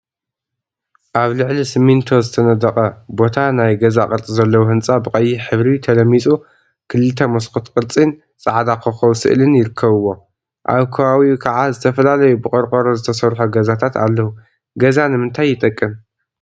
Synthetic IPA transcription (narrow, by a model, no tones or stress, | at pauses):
ʔaβlɨʕlisɨmːint̪ʰo̞zɨt̪ʰɐnɐd̪ɐqʼɐbo̞t̪ʰanajɡɐzakʼɨɾt͡sʼizɐlːɐwuhɨnt͡sʼabɨkʼɐjːiħɨβɾit̪ʰɐlɐmːit͡sʼu | kʰɨlɨt̪ʰɐmɐskɨt̪kʼɨɾt͡sʼin | t͡sʼaʕd̪akʰɨxɐwsɨ̰ʔlɨnjɪɾɨkʰːɐβɨwːo̞ | ʔa̰βkʰɐβawikʰɐʕazɨt̪ʰɐfɐlalɐjubɨkʼɐɾkʼɐɾozɨt̪ʰɐsɐɾħuɡɐzat̪ʰat̪a̰lːɐhu | ɡɐzanɨmɨnt̪ʰajːɪt̪ʼɐkʼːɨm